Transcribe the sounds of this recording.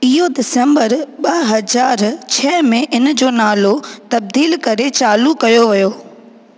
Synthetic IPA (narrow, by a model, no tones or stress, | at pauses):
ɪɦodɪsẽmbəɾɓɐɦɐzaːɾt͡ɕʰɛːmẽʔɪnd͡ʑoːnaːlot̪ɐb̚d̪iːlkɐɾet͡ɕaːlukɐjoʋɐjoː